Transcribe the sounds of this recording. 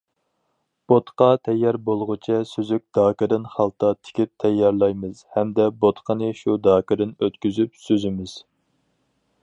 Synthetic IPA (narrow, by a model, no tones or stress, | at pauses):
b̥ot̪qɑt̪ʰɛjːɑɾbolˠʁʊt͡ʃʰɛsøzyk̚ʲd̪̥ɑːkɨd̪ɨnχɑlˠt̪ʰɑt̪ʰɪ̥kʲip̚t̪ʰɛjːɑɾlˠɑjmɨz̥hɛmd̪ɛbot̪qənɨʃud̪ɑːkɨɾɨnøt̪kʲyzypsøzymɪz̥